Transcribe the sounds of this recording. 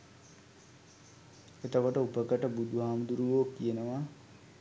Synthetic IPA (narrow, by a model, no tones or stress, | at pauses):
et̪əkoʈəupəkəʈəbud̪ʱuɦaːmd̪uɾuʋoːkːijənəʋa